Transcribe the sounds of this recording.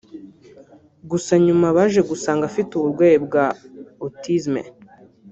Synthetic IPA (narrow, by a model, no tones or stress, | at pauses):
ɡusaɲumaβaʒe̞ɡusaːŋɡafituβuɾɡweːjebɡaotizmḛ